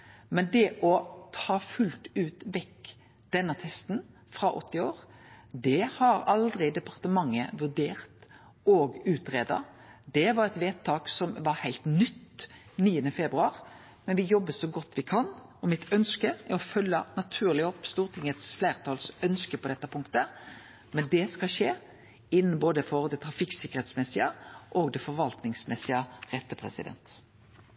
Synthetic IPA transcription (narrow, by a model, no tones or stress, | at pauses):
mɛnd̪ɛʔɔt̪ʰɑːfʉlt̪ʉːt̪ʋɛkː | d̪̥ɛnːət̪ʰɛst̪n | fɾɑʔɔ̰t̪ːɪoːɾd̪ɛhɑɾɑld̪ɾɪd̪ɛpɑʁt̪əmɑŋːəʋʉʁɖ̪eːʁt̪ | oːɡʉːt̪ɾeːd̪ɑ̰ | d̪ɛʋɑɾɛt̪ʋeːt̪ʰːɑːksɔmʋɑhæɪlt̪nʏt̪ː | niːənəfɛbɾʉɑʁ | mɛnʋɪjɔbːəsɔɡɔt̪ːʋɪkʰɑnɔmɪt̪œnskəɛɾɔfœlːənɑt̪ʰʉːʁlɪɔpːst̪uːʁt̪ʰɪŋət̪sflæːʁt̪ʰɑːlsœnskəpɔd̪ɛt̪ːəpʰʊŋkt̪ə | mɛnd̪ɛskɑʃeː | ɪnːn̩boːd̪əfɔʁd̪ɛt̪ʰɾɑfɪkːsɪkːəɾɛːt̪smɛsɪəʔoːɡd̪ɛfɔɾʋɑlt̪nɪŋsmɛsːɪəʁɛt̪ːəpʰʁɛ̰sɪ̰d̪ɛ̰nt̪